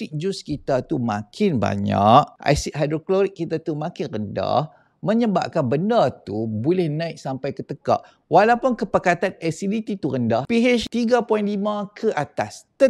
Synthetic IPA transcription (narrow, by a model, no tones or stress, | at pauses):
ik̚d͡ʒuskit̪at̪umã̰kʰɪnba̰ɲa̰ʔ̚a̰jsiʔɦadɾokloɾik̚ːit̪at̪umãkɪnrənda̰h | mə̃ɲəba̰p̚kanbəndat̪ubolɛhnãɪʔsampajkət̪əka̰ʔ | walawpunkəpakat̪anasidit̪it̪uɾəndahpiɦet͡ʃt̪iɡapɔinlimãkʰəʔat̪a̰st̪ə